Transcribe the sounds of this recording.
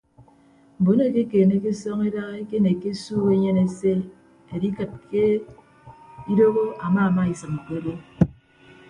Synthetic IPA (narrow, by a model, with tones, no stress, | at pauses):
m̩˨bo˨˦ne˦˨ke˦keː˨ne˦ke˦sɔ˦ŋe˦da˦ɣe˦ke˦ne˨ke˦suː˦ɣe˦ɲe˦ne˨se˦ | e˨di˦kɨ˨t̚kʰe˦ | i˦do˦ɣo˦ʔa˨ma˦a˨ma˦i˨sɨ˨m̩˨kʷe˦le˦